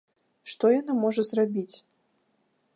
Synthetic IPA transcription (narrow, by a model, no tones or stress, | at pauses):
ʂt̪ɔjanamɔʐɐzrabʲit͡sʲ